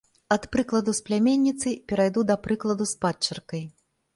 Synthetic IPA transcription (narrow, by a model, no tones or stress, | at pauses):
ɐt̪pɾɨklˠɐd̪usplʲamʲenʲːit̪sɨpʲɛɾajd̪ud̪ɐpɾɨklˠɐd̪uspat͡ʂːɐrkɐj